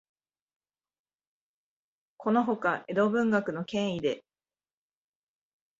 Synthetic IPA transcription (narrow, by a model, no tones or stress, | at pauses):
kʰo̞no̞ɦo̞kaʔe̞d̪o̞ːbɯ̟̃ŋɡakɯ̟no̞kẽ̞ɰ̃id̪e̞